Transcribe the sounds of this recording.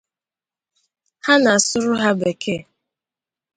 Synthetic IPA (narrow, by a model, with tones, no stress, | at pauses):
ha˦na˨a˨sʊ˦ɾʊ˦ɦa˦be˨kʰe˦˨